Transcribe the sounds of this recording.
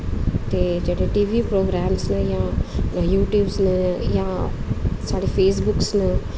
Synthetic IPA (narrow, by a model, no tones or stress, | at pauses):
t̪ed͡ʒeɽeʈiːʋipɾoːɡɾaːmsnəjãjuːʈjuːbsnəjã | saːɽifeːs̬bʊksnə